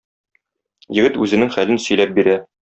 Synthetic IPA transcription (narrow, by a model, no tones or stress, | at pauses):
jɘ̆ɡɘt̪ʉzɘ̆nɘŋχælɘnsɵ̆jlæp̚biɾæ